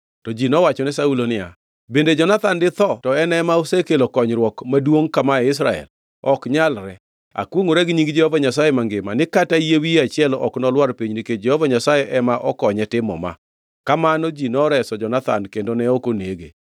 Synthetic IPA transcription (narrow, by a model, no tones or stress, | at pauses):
tɔd͡ʒinɔwat͡ʃɔnɛsaulonɪja̰ | bended͡ʒɔnat̪andɪt̪ɔtɔɛnɛmaosekelokɔɲɾwɔkmadwoŋkamaɛɪs̬ɾaɛ̰l | ɔkɲalɾɛ | a̰kwoŋoɾɛɡɲiŋɡd͡ʒɛhɔvaɲasajemaŋɡɪmanɪkatajewiat͡ʃɪɛlɔ̰knɔlwaɾpiɲniked͡ʒɛhɔvaɲasajɛʔɛmaʔɔkɔɲɛtɪmɔ̰ma̰ | kamanɔd͡ʒinɔɾɛsɔd͡ʒɔnat̪a̰nkendonɛokoneɡḛ